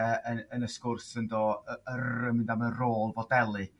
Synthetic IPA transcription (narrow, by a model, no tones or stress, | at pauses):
əənənəskʊrsəndoːəəəmɪndamənroːlˠvɔdɛlˠɨ